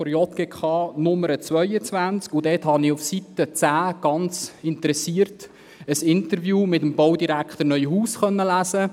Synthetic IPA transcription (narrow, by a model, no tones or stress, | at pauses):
fɔɾjɔt̪̚ɡ̥ekʰχɑːnʊmːəɾət͡svœʏət͡sʋænt͡skʊdɛthɑnɪufsit̪ət͡sæːɡ̥ɑnt͡sɪntəɾɛsiːəɾt | əsɪnt̪əɾvjuːmɪtəmbowdiɾækχt̪əɾnœʏhuːsχœnːəlæːsə